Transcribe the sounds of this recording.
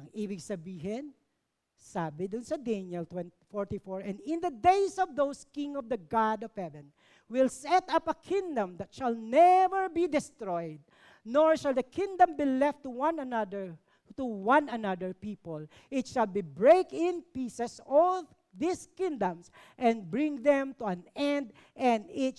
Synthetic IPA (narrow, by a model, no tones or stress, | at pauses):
ŋʔibɪksɐbiːɦɛn | saːbɪd̪ʊnsɐd̪ɛnjɛlt̪wɛntfɔɹt̪ifɔɹɛ̃nd̪ɪ̃nd̪ɐd̪ejsɔvd̪owskɪ̃ŋɔvd̪ɐɡɑd̪ɔv̥hɛvɛ̃n | wɪlsɛt̪apɐkʰɪ̃ŋd̪ɐ̃md̪ɐt̪ʃɐlnɛvəɹbid̪ɪst̪ɹɔjd̪̚ | nɔɹʃalˠd̪ɐkʰɪ̃ŋd̪ɐ̃mbilɛft̪ːuwãnndə˞ | t̪uwʌ̃nɐnad̪əɹpipɔl | ʔɪt̪ʃalbibɹeɪkɪ̃npisɛsɔl | ðiskɪ̃ŋd̪ɐ̃ms | ʔɛ̃nbɹɪ̃ŋðɛ̃mt̪uãnɛ̃nd̪ | ʔɛ̃nd̪ɪt